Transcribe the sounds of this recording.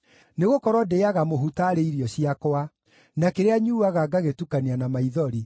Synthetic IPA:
neɣokɔɾwɔdeaɣamoɦutaɾeiɾiɔɕiakoa | nakeɾeaɲuaɣaɡaɣetukaneanamaiðɔɾi

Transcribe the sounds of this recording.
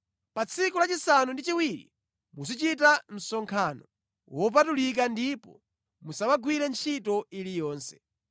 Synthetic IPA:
pat͡sʰikulat͡ʃisanundit͡ʃiwiɾḭ | mus̬it͡ʃitam̩sɔŋkʰaːnɔ | wɔp̬atulik̬andipɔ̰ | musawaɡwiɾɛnt͡ʃʰitɔilijɔːnsɛ̥

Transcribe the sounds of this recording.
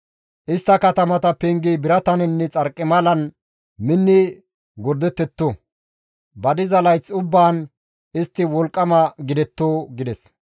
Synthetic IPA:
ʔɪst̪ːɐkɐt̪ɐmɐt̪ɐpɛŋɡijbɪɾɐt̪ɐnɛnːɛt͡sʼɐɾkʼːɪmɐlɐn | mɪnːɪ | ɡɔɾd̪ɛt̪ːɛt̪ːo | bɐd̪ɪzɐlɐjt͡sʊbːaːn | ɪst̪ːɪwɔlkʼːɐmɐɡɪd̪ɛt̪ːoːɡɪd̪ɛs

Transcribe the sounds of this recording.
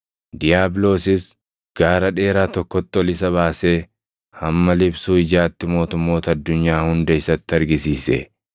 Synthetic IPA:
d̪ɪjaːblo̞ːsɪs | ɡ̥aːɾɐᶑe̞ːɾaːt̪ɔkːɔt̪ːɪɔlɪsɐβaːse̞ː | hɐmːɐlɪbsuːɪd͡ʒaːt̪ːɪmo̞ːt̪ʊmːo̞ːt̪ɐːd̪ːʊɲːaːhʊnd̪ɐɪsɐt̪ːɪɐɾɡɪsiːsɛ̰

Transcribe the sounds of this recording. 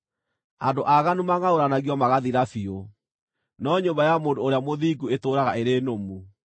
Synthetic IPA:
andoʔaɣanumaŋaoɾanaɣiɔmaɣaðiɾafio | nɔɲombajamoːndoːɾeamoðiɡuetoːɾaɣaʔeɾenomu

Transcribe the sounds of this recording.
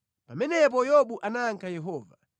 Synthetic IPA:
pamɛnɛp̬ɔjɔɓuʔanaŋkʰajɛɦɔːva

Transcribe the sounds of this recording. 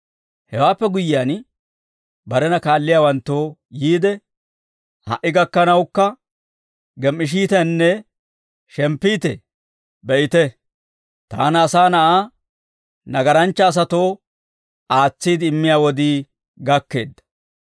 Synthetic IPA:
hɛwaːpːɛɡʊjɪjan | bɐɾɛnɐkaːlːɪjaːwɐnt̪ːoːjiːd̪ɛ | hɐ̰ʔɪɡɐkːɐnɐwkːɐ | ɡɛmːɪʃ̬iːt̪ɛnːɛ | ʃɛmpːiːt̪ɛ̰ | bɛʔɪt̪ɛ | t̪a̰ːnɐsaːnɐʔaː | nɐɡɐɾɐnt͡ʃːɐːs̬ɐt̪o̞ː | aːt͡sːiːd̪ɪːmːɪjaːwɔd̪iː | ɡɐkːe̞ːd̪ːɐ̥

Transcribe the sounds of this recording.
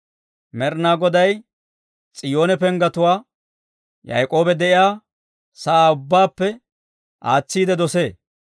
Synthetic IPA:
mɛɾnaːɡɔd̪ɐj | t͡sʼɪjo̞ːnɛpɛŋɡɐt̪ʊwaː | jɐ̰jkʼo̞ːbɛd̪ɛʔɪjaː | sɐaːʊbːaːpːɛ | ʔa̰ːt͡sːiːd̪ɛd̪ɔseː

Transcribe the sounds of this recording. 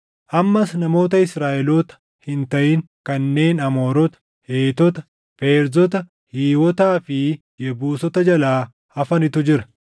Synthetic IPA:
ʔɐmːɐsnɐmo̞ːt̪̬ɐɪsɾaːʔɛloːt̪ɐ̥ | hɪnt̪ɐʔɪŋ | kɐnːe̞ːnɐmo̞ːɾɔt̪ɐ̥ | heːt̪ɔt̪ɐ̥ | feːɾzɔt̪ɐ | hiːwɔt̪aːfɪ | jɛbuːsɔt̪ɐd͡ʒɐlaː | ɐfɐnɪt̪ʊd͡ʒɪɾɐ̥

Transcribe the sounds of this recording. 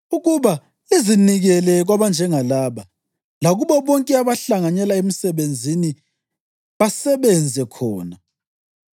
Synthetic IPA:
uɣuβa | eziniɣɛlɛɣwaβand͡ʒʱɛŋalaːβa | laɣuβɔβɔŋkʼɛaβaɬaŋaɲɛlaem̩sɛβend͡zʱini | βasɛβɛnd͡zʱɛkʰɔːna

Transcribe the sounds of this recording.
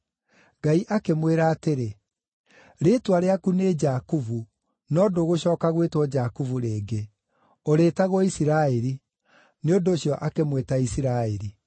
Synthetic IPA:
ɡaiʔakemweːɾaːteɾe | ɾetwaɾeakuned͡ʒaːkuvu | nɔdoɣoɕɔːkaɣwetwɔd͡ʑakuvuɾeːɡe | oɾeːtaɣwɔisiɾaːɛɾi | neondoːɕjɔʔakemwetaisiɾaːeɾi

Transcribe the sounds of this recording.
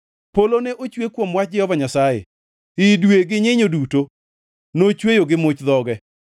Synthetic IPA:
polonɛʔot͡ʃwekwomwat͡ʃ̚d͡ʒɪhɔvaɲasajḛ | ɪdweɡɪɲɪɲoduto | not͡ʃwejoɡɪmʊt͡ʃðɔɡɛ

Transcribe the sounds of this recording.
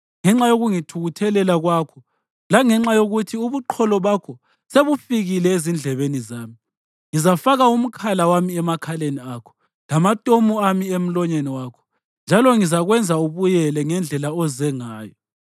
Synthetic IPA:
ŋɛŋ͡ǁajoɣuŋitʰuɣutʰɛlɛlaɣwakʰɔ | laŋɛŋ͡ǁajoɣutʰiuβuǃʰɔlɔβakʰɔ | seβufiɣilɛezind͡ɮʱɛβenizaːmi | ŋizafaɣaum̩kʰalawamiɛmakʰaleniakʰɔ̥ | lamatʼomuamiem̩lɔɲeniwaːkʰɔ̥ | nd͡ʒʱalɔŋizaɣwɛnd͡zʱauβujɛlɛŋɛnd͡ɮʱɛlaɔzɛŋaːjɔ

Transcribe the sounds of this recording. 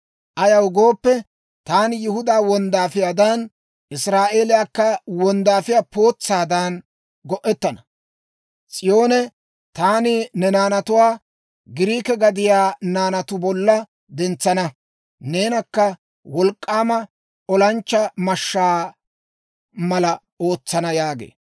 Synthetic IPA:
ʔɐjɐwʊɡoːpːɛ | t̪aːnjɪhʊd̪aːwɔnd̪aːfɪjaːd̪ɐn | ʔɪsɾaːʔe̞ːlɪjaːkːɐwɔnd̪aːfɪjaːpo̞ːt͡sːaːd̪ɐn | ɡɔʔːɛt̪ːɐnɐ | t͡sʼɪjo̞ːnɛ | t̪aːnɪnɛnaːnɐt̪ʊwaː | ɡɪɾiːkɛɡɐd̪ɪjaːnaːnɐt̪ʊbɔlːɐ | d̪ɛnt͡sːɐnɐ | ne̞ːnɐkːɐ | wɔlkʼːaːmɐ | ʔɔlɐnt͡ʃːɐmɐʃːaː | mɐlɐ | o̞ːt͡sːɐnɐjaːɡḛː

